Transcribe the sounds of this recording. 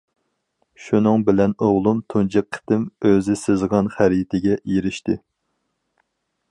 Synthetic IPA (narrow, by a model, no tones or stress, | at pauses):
ʃunɨŋbɪlɛnoʁlˠumt̪ʰund͡ʒɛp̚qʰːə̥t̪ɪmøzɪsɨzʁɑnχæɾjt̪ʰɪɡʲɛjiɾɪʃt̪ɪ